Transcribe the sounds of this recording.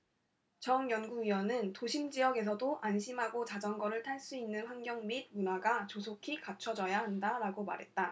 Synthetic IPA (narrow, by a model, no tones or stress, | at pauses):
t͡ɕʌŋjʌnɡuɡɥiwʌnɯntoɕʰimd͡ʑiʌɡe̞s̬ʰʌdoʔanɕʰimɦaɡot͡ɕad͡ʑʌŋɡʌɾɯɭtʰaɭs͈uinːɯnɸwaŋɡjʌŋmid̚munaɡat͡ɕosʰokʰikat͡ɕʰʌd͡ʑʌjaɦandaɾaɡoma̰ɾɦe̞t̚t͈a